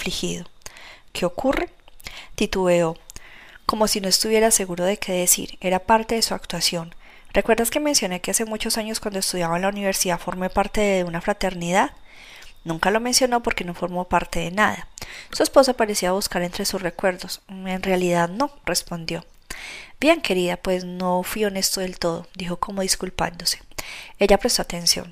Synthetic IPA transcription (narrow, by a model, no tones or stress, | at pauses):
flixḭðokʰe̞o̞kuret̪it̪ueo | ko̞mo̞sino̞e̞st̪uβje̞ɾase̞ɣuɾo̞ðe̞kʰe̞ðe̞sḭɾe̞ɾapaɾt̪e̞ðe̞suakt̪wasjo̞n | rekwe̞ɾd̪aske̞me̞nsjo̞ne̞kease̞mut͡ʃo̞saɲo̞skwand̪oe̞st̪uðjaβaenlauniβe̞ɾsiðafo̞ɾme̞paɾt̪e̞ðeunafɾat̪e̞ɾniðað | nũŋkalo̞me̞nsjono̞po̞ɾke̞no̞fo̞ɾmo̞paɾt̪e̞ðe̞naðasue̞spo̞sapaɾe̞siaβuskaɾe̞nt̪ɾe̞suzre̞kwe̞ɾd̪ose̞nrealiðaðno̞re̞spo̞nd̪jo̞ | b̥je̞ŋkʰe̞ɾiðapwe̞zno̞fwio̞ne̞st̪oðe̞lt̪o̞ðod̪ixo̞ko̞mo̞ðiskulpa̰nd̪o̞se̥e̞ʝapɾest̪o̞at̪e̞nsjo̰n